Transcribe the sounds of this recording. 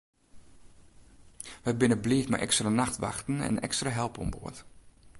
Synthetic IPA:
ʋɛjbɪnəbliːfma̰ʔɛ̰kstranaxtʋa̰xtn̩ɛ̰nɛ̰kstraɦɛlˠpɔ̰mbo̰ːət

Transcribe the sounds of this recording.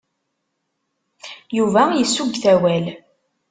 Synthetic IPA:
juvæjəsːuɡθæwæl

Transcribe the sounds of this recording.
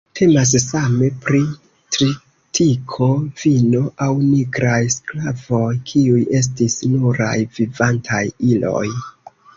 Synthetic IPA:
tʰe̞mas̬same̞pɾi | tɾi | tʰikʰo̞v̥inoʔawniɡɾajsklavo̞jkʰiuje̞s̬tisnuɾa̰jvivantʰajilo̞̰j

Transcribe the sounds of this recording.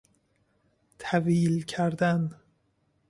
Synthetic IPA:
t̪ʰæviːlcʰæɾd̪æn

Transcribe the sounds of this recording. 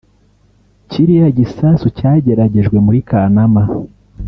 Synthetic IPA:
ciɾijaɟisaːnsucaːɟe̞ɾaɟe̞ʒɡwe̞muɾikanama

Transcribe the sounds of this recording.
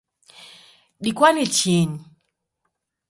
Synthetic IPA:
ɗikwanit͡ʃini

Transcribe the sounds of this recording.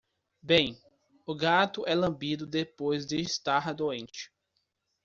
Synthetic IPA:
bẽj̃ | ʊɡat̪ʊʔɛlɐ̃bid̪ʊd̪epojzd̪ɪɪst̪aɾɐd̪oẽnt͡ʃɪ̥

